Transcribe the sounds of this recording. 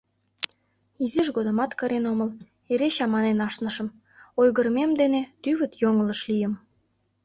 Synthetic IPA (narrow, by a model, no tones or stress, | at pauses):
iziʒɣod̪ə̆mɑt̪kəɾenoməl | eɾeɕɑmɑnenɑʃnəʃə̆m | ojɣərmemd̪enet̪yβət̪joŋələʃlijəm